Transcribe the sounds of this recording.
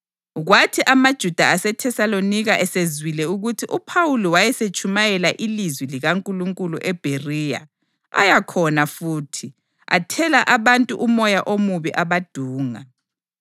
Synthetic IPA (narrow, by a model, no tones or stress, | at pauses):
ɣwatʰiʔamad̥ʒ̥ʱud̥ʱaasɛtʰɛsaloniɣaʔɛsezwilɛuɣutʰiʔupʰawuliwajɛset͡ʃʼumajɛlaʔilizwiliɣaŋkʼuluŋkʼuluʔɛb̥ʱeriːja̰ | a̰jakʰɔnafuːtʰi | a̰tʰɛlaʔaβantʼuʔumɔjaʔomuβiʔaβad̥ʱuːŋa̰